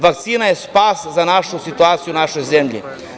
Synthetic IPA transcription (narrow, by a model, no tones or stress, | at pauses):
ʋak̚t̪siːnajespaszanaʃusit̪uaːt̪sijunaʃojzemʎḭ